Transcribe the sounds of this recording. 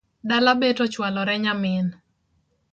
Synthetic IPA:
dalabetɔt͡ʃwalɔɾɛɲamɪn

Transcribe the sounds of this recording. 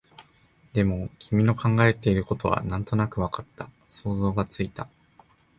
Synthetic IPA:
d̪e̞mo̞kʲʰimʲino̞kʰãŋɡae̞t̪e̞iɾɯ̟ko̞t̪o̞βa̰nãnt̪o̞nakɯ̟βakḁt̪ːa | so̞ːzo̞ːɡat͡sɨit̪a

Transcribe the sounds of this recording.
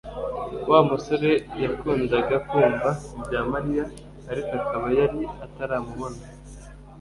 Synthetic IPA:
waːmuso̞ɾe̞jakuːndaɡakuːmbabɟaːmaɾijaː | ɾikakaβajaɾiataɾaːmuβona

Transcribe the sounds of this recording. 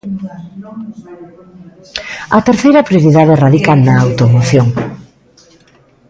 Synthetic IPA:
ɐt̪eɾθejɾɐpɾjoɾiðaðeraðikanaːwt̪omoθjoŋ

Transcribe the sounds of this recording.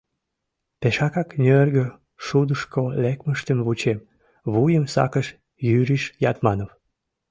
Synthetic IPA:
peʃɑkɑknʲørɡə | ʃud̪əʃkolekməʃt̪əmvut͡ɕem | βujəmsɑ̰kəʃ | jyɾiʃjɑt̪mɑnof

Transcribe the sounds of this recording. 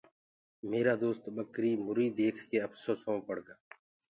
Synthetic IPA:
meːɾaːd̪oːst̪ɓəkɾiːmʊɾiːd̪eːkʰkeːəfsoːsɦõːpəɽɡaː

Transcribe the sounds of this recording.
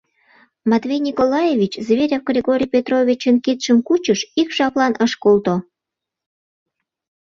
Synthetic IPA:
mɑt̪vʲejnʲikolɑjevʲit͡ɕzβeɾʲɑwɡrʲeɣoɾʲijpʲet̪rovʲit͡ɕənkit̪ʃəmkut͡ɕəʃikʃɑplɑnəʃkolt̪o

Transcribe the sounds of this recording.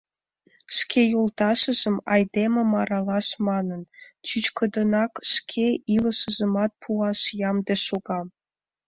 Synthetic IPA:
ʃkʰejolt̪ɑʃə̆ʒəmɑ̰jd̪ememɑɾɑlɑʃmɑnənt͡ɕyt͡ɕkə̆d̪ə̆nɑkʃkʰeilə̆ʃə̆ʒə̆mɑt̪̚pʰuɑʃjɑmd̪eʃoɣɑm

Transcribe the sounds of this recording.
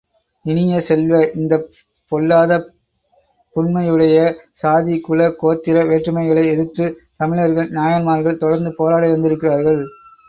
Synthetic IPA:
ɪnɪjɐsɛlʋɐʔɪnd̪ɐ | pɔlːaːðɐ | pʊnmɐjɯɽɐjɐsaːðikʊlɐkoːt̪ːɪɾɐʋeːʈrɯmɐɪɣɐɭɐɪɛðɯt̪ːɯt̪ɐmɪɭɐɾɣɐɭnɪjaːjɐnmaːɾɣɐɭt̪ɔɽɐɾnd̪ɯpoːɾaːɽɐɪʋɐnd̪ɪɾɯkːɪraːɾɣɐɭ

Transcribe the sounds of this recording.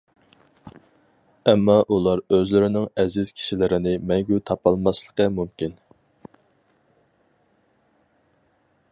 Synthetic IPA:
ɛmːɑʔulˠɑɾøzlɪɾɪnɪŋɛzɪz̥kʲʰi̥ʃilɪɾɪnɪmɛŋɡʲut̪ʰɑpɑlˠmɑslˠəqəmumkʲin

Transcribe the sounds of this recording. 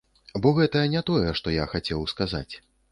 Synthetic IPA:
bɔɣɛt̪ɐjɐnʲɛt̪ɔjɛʂt̪ɔjaxat͡sʲɛwskaza̰t͡sʲ

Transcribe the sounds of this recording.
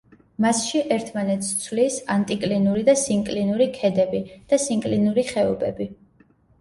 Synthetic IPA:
masʃiʔɛɾt̪ʰmanɛt̪st̪sʰvlisant̪ʼikʼlinuɾid̪asiŋkʼlinuɾikʰɛd̪ɛbid̪̥asiŋkʼlinuɾiχɛubɛbi

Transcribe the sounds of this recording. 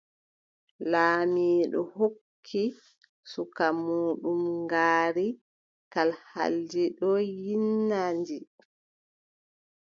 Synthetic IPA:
laːmiːɗɔhokʰːi | sukamuːɗumŋɡaːɾi | kalha̰ld͡ʒiɗɔjinːandi

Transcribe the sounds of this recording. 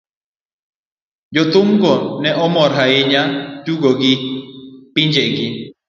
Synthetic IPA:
d͡ʒɔt̪ʊŋɡɔnɛʔɔmɔɾɦaɪɲatuɡoɡɪ | pɪɲd͡ʒeɡɪ

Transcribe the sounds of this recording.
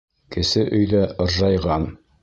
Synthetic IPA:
kɘ̆sɘʔɵ̆jðæŏɾʒɑjʁɑn

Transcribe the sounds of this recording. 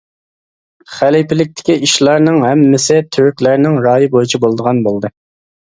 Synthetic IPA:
χælipɪlɪk̚ʲt̪ʰɪ̥kʲiiʃlˠɑɾnɨŋɦɛmːɪsɪt̪ʰyɾkʲlæɾnɪŋɾɑːjɨbojit͡ʃʰibolˠd̪əʁɑnbolˠd̪ɨ

